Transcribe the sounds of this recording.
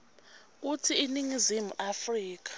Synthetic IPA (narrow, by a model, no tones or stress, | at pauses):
k̬utʰiiniŋizimuʔafriːk̬ḁ